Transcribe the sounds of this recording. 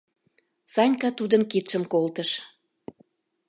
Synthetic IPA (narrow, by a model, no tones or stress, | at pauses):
sɑnʲkɑt̪ud̪ənkit̪ʃəmkolt̪əʃ